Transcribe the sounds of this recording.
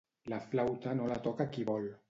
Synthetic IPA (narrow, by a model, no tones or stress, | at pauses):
laflawt̪anolat̪ɔkakiβɔl